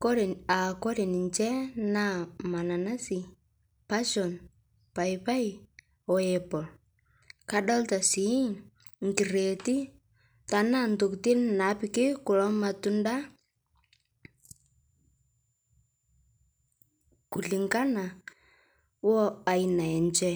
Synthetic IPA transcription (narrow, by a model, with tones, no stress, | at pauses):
kɔ˦ɾɛ˨a˨kɔ˦ɾe˨ni˨ɲt͡ʃɛ˦na˦ma˨na˨na˦si˨ | pa˦ʃɔ˨n | pa˨jpa˦j | ɔ˨ɛpɔ˨l | ka˦dɔ˦lta˨si˦ | ŋki˨re˨ti˦ | ta˨na˦nto˨kti˦nna˨pi˨kɪ˦kʊ˨lɔ˦ma˨tu˦nda˦ | ku˨li˨ŋka˦na˨ | wɔ˦a˨ina˨ɛ˨ɲt͡ʃɛ˦